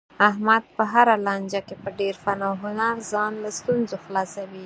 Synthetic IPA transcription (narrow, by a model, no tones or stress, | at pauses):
ahmad̪̚pəɦaɾalɑnd͡ʒakepəɖeɾfanaɦʊnaɾzɑnlast̪unzoxlɑsawi